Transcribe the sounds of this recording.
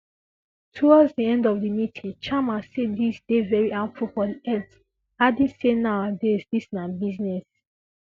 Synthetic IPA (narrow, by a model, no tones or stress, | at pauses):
tʰuwɔdzdiɛ̃ndɔvðimitʰĩŋt͡ʃamasedisdevɛɹiʔãnfufɔdiʔɛt | adĩnsenaʊadɛizdisnabiznɛs